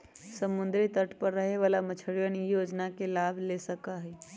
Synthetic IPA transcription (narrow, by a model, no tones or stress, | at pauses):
səmʊnd̪ɾit̪əʈʰpəɾːəɦeʋaːlamət͡ʃʰəɾjənjoːd͡ʒnakelaːbʱlesəkaɦɛː